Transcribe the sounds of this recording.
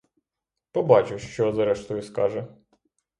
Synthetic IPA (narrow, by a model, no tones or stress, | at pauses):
pɔbɑt͡ʃɪwʃt͡ʃɔzɾɛʃt̪ɔjʊskɑʒɛ